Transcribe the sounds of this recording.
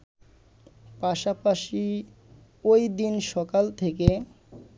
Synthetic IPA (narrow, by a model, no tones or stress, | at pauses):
paʃapaʃi | ojd̪inʃɔkalt̪ʰeke